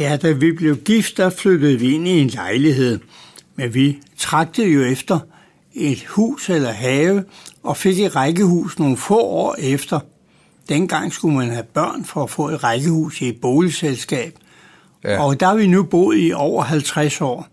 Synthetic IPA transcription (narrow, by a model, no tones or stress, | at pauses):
jæd̥æʋib̥le̝ʊɡ̥ifd̥ːɑflød̥əð̩ˠʋie̝nie̝nlɑ̈ɪliɦe̝ð̞̰ˠ | menʋit͡sʰʁɑ̈ɡ̥̚d̥əð̩ˠjo̝efd̥ɐ | e̝d̥hṵːselɐɦɛːʊəʔɒ̽fe̝ɡ̥e̝d̥ʁɑ̈ɡ̥əhṵːsno̝ːn̩fɔ̰ɒ̰ːefd̥ɐ | d̥en̰ɡ̥ɑ̈ŋ̰sɡ̥umænhæb̥ɶɐ̰nfɒ̽ːfɔ̰̽ːe̝d̥ʁɑ̈ɪɡ̥əhṵːsie̝d̥̚b̥ɔːliselsɡ̥ɛ̰ːb̥ | ɒ̽d̥ɑ̈ɑ̈ʋinub̥o̝̰ð̩ˠiʔɒʊ̰ɐɦælt͡sʰʁasɒ̰ː